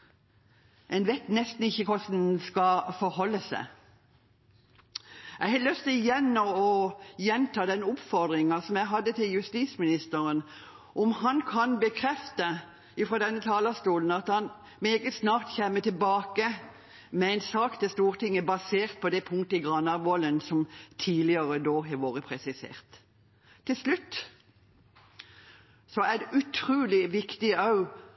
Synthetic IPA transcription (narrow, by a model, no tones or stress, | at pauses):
ʔɛɪnʋɛt̪nɛst̪n̩ɪçːəkʰɔsn̩skɑfɔɾhɔlːəsæ̰ | æɪhɛlœst̪ʰɪjɛnːɔɔjɛnt̪ʰɑːd̪ɛnʊpfɔʁd̪ʁɪŋɑsɔmjæɪɦɑd̪ːət̪ʰɪljʉst̪iːsmɪnɪst̪əɾən | ʔɔmhɑnkʰɑnbəkʰʁɛft̪ə | ɪfʁoːd̪ɛnːət̪ʰɑːlɑst̪uːln̩ɑt̪hɑn | meːɡəsnɑːʁt̪çɛmːət̪ʰɪlbɑːkə | mɛæɪnsɑːkt̪ʰɛst̪uːʁt̪ɪŋːəbɑseːʁt̪̚pʰɔd̪ɛpʰʊŋ̚t̪əɪɡʁɑnːɑʋoːlənsɔmt̪ʰiːlɪəʁəd̪oːɦɛʋoːʁəpʰʁɛsɪsḛːʁt̪ʰː | ɪlslʉt̪ː | sɔæʉt̪ʰʁʉːlɪʋɪkt̪ɪɑʉ